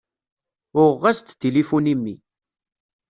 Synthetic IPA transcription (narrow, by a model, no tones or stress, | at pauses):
ʊʁːast̪t̪ilifunimːi